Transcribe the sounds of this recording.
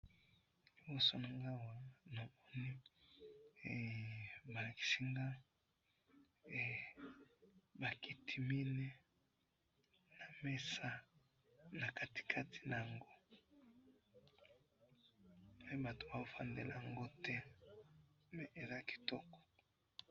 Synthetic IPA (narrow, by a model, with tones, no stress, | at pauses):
li˨bo˦so˦na˨ŋɡa˦wa˨a˦no˨mɔ˦ni˦˨ | ba˨ki̥˨si˦ŋɡa˦˨ | ba˨ki˦tʰi˦mi˦ne˦ | na˨mɛ˦sa˦ | na˨ka˨ti̥˨kʰa˦ti̥˨na˨a˨ŋɡo˦ | pe˦ba˨to˨ba˨o˦fa̰˦nde˨la̰˨ŋɡo˦tɛ˦ | me˦ʔe˨za˦ki̥˨tɔ˦kɔ̥˨